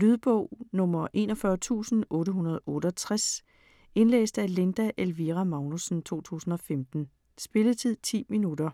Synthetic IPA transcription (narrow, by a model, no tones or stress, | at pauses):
lyð̞ˠb̥ɔʊ̰nɔ̽mɐʔe̝̰ːnɒfɶɐt͡sʰṵːsn̩ʔɔ̽ːɾəɦunɐð̞̩ˠɔ̽ːɾ̥əɒt͡sʰʁas | e̝nlḛːsd̥æle̝nd̥æʔelʋiʁæmɑ̈ʊnusn̩t͡sʰo̝̰ːt͡sʰṵːsn̩ɒ̽femd̥n̩ | sb̥e̝lət͡sʰið̞̰ˠt͡sʰḭːminud̥ɐ